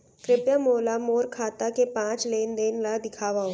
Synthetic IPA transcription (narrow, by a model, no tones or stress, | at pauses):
kɾɪpjamoːlamoːɾkʰaːt̪akepãːt͡ʃleːnd̪eːnlad̪ɪkʰaːʋaɦo